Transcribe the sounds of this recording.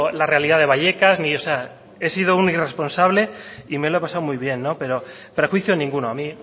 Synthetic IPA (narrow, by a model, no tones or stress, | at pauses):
larealiðaðe̞β̞aʎe̞kazniosea | e̞sið̞ounirespo̞nsaβle̞ime̞loepasawmujβ̞je̞nːo̞pe̞ɾo | pɾexwiθjonĩŋɡunoamĩ